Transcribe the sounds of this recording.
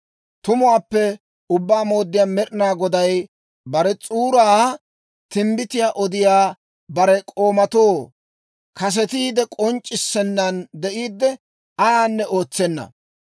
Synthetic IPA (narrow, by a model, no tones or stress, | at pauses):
t̪ʊmʊwaːpːɛ | ʊbːaːmo̞ːd̪ːɪjaːmɛɾɪnaːɡɔd̪ɐj | bɐɾɛt͡sʼuːɾaː | t̪ɪmbɪt̪ɪjaːʔɔd̪ɪjaː | bɐɾɛkʼo̞ːmɐt̪oː | kɐs̬ɛt̪iːd̪ɛkʼɔnt͡ʃʼːɪsːɛnːɐnd̪ɛʔiːd̪ːɛ | ɐjaːnːɛo̞ːt͡sːɛnːɐ̰